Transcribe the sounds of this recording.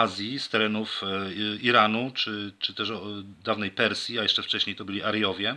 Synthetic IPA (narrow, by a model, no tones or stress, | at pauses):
azʲjist̪ɛɾɛnuf | iɾanut͡ʂɘt͡ʂɘt̪ɛʂɔd̪avnɛjpɛɾsʲjiajɛʂt͡ʂɛft͡ʂɛɕɲejt̪ɔbɘlʲiʔaɾjɔvʲjɛ